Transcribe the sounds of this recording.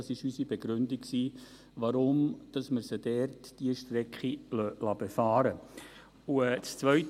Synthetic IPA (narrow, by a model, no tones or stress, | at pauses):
ɑsɪʃysibeɡɾʏndiksiː | ʋɑɾʊmd̥ɑsməɾsədɛːrtd̥iəʃtɾɛkχilœlɑbefɑːɾə | uɛt͡st͡sʋœɥt